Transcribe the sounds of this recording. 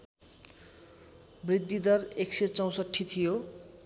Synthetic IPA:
brid̪ːid̪ʌrekset͡sʌw̃sʌʈʰːit̪ʰijo

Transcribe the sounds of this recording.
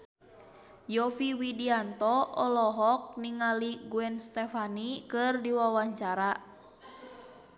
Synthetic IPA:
jɔfiwidiant̪ɔɔlɔɦɔk̚niŋaliɡuɛnst̪ɛfanikɨrdiwawaɲt͡ʃaɾa

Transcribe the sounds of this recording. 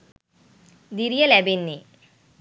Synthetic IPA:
d̪iɾijɐlɛbenːi

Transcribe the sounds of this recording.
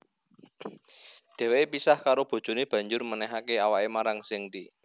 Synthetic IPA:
d̪̥ɛ̤wepisahkaɾob̥o̤d̥d͡ʒ̥o̤neb̥ä̤ɲd͡ʒʊrmənɛɦakeawaemaɾaŋsɪŋdi

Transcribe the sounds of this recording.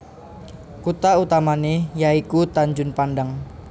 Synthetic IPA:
kut̪aut̪amanejaikut̪aɲd͡ʒʊnpandəŋ

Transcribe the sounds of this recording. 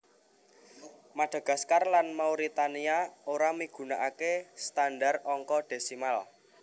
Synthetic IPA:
maɖ̥a̤ɡ̥ä̤skarlanmawɾit̪aniaoɾamiɡ̥ṳnaʔakest̪andarɔŋkɔɖ̥e̤simal

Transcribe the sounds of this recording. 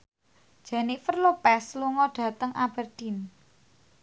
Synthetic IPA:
d̥ʒ̥ɛnifərlopɛsluŋɔɖ̥ä̤t̪əŋʔab̥ərd̪̥in

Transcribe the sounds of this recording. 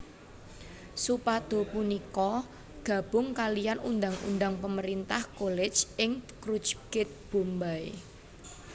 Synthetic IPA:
supad̪̥o̤punikɔ | ɡ̥ä̤b̥ʊ̤ŋkalijanund̪aŋṵnd̪aŋpəməɾint̪ahkolɛd̥d͡ʒɪŋkɾudt͡ʃɡ̥ɪt̪̚b̥ṳmbae

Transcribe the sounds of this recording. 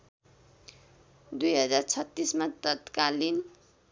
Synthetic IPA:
d̪ujɦʌd͡zart͡sʰʌt̪ːismat̪ʌt̪kalin

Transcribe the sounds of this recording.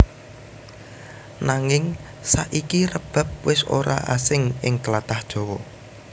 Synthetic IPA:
naŋɪŋ | saʔikirəb̥a̤p̚wɪso̰ɾa̰ʔasɪŋʔɪŋkəlat̪ahd̥ʒ̥ɔ̤wɔ

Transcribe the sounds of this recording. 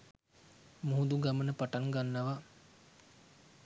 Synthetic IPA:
muɦud̪uɡamənəpaʈaŋɡanːaʋa

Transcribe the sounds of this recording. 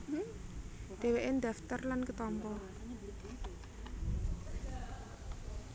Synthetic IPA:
d̪̥e̤weʔend̪a̤ft̪ərlankət̪ɔmpɔ

